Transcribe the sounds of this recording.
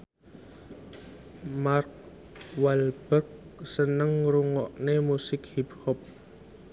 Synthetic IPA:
mark̚ | walb̥ək̚sənəŋruŋɔʔnemusɪk̚hiphɔp̚

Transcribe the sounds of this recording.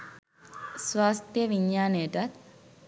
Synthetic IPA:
sʋaːst̪jəʋiɲːaːnəjəʈat̪

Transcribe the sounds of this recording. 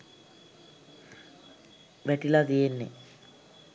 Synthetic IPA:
ʋæʈilat̪ijenːḛ

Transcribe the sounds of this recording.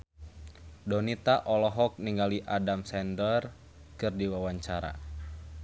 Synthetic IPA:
dɔnit̪aʔɔlɔɦɔk̚niŋɡaliʔadamsɛndər | kɨrdiwawaɲt͡ʃaɾa̰

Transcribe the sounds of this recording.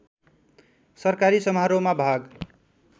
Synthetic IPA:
sʌrkaɾisʌmɦaɾomabʱaɡ

